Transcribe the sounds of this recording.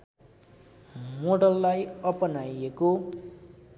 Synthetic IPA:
moɽʌlːajʌpʌnajeko

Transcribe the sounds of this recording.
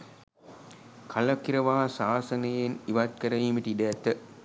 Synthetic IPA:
kʰɐlɐkiɾɐʋaːɐsaːsɐnɐjeniʋat̪̚kɐɾɐʋiːmiʈiɖɐæt̪ə

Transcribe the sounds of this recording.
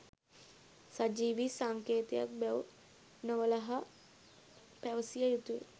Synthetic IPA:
sad͡ʒiːʋisaŋkeːt̪eja̰k̚bɛw | nəʋəlɐɦɐ | pɛʋsijajut̪uj̰

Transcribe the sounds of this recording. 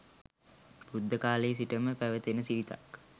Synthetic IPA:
bud̪ʱːəkaːleːsiʈəməpæʋət̪enəsiɾit̪a̰k

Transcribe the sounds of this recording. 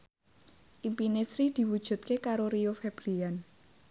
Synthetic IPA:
ʔimpinesɾid̪̥i̤wud̥ʒ̥ṳt̪̚kekaɾoɾiofɛb̥ɾian

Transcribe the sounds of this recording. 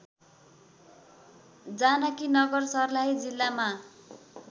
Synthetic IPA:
d͡zanʌkinʌɡʌrsʌrlaɦid͡zilːama

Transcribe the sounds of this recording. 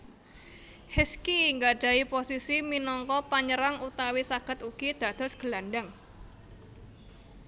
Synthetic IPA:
hɛskiŋɡaɖ̥a̤iposisiminɔŋkɔpaɲəɾaŋut̪awisaɡ̥ə̤t̪uɡ̥id̪̥ä̤d̪̥ɔ̤sɡ̥əlanɖaŋ

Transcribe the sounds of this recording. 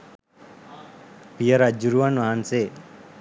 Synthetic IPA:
pijəɾad͡ʒuɾuʋanʋaɦanse

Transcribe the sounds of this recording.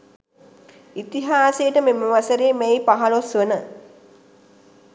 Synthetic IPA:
it̪iɦaːsejʈəmeməʋasəɾeːmejpaɦɐlosʋənə

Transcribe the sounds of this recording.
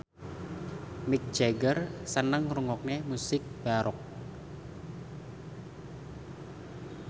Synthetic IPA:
mɪk̚d̥d͡ʒ̥eɡərsənəŋruŋɔk̚nemusɪk̚b̥aɾʔɔk̚

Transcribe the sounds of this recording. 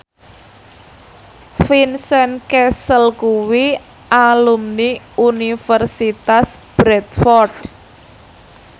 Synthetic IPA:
finsɛnkɛsəlkuwi | ʔalumni | unifərsit̪asb̥ɾɛt̪̚fɔrd

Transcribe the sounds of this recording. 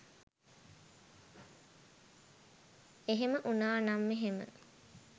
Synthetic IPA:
eɦeməʔunaːnamːeɦemə̰

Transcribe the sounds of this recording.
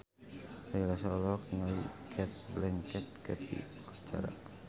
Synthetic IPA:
ajlasaɔlɔk̪̚iŋaikʰɛt̪̚blɛŋkɛt̪̚kət̪ʰḭkḁt͡ʃa̰ɾa̰

